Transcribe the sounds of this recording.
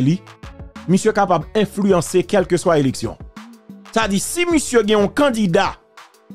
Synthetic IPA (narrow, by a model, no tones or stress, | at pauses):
li | misjøkapabɛ̃flyɑ̃sekɛlkøswaeleksjɔ̰̃ | sad͡zisimisjøɡɛ̃ɔ̃kɑ̃dida